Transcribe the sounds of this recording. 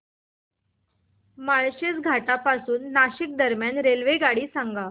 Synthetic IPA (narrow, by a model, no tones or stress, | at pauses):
maɭɕet͡sɡʱaʈapasuːnːaɕik̚d̪əɾmjanɾelʋeɡaɽiːsãŋɡa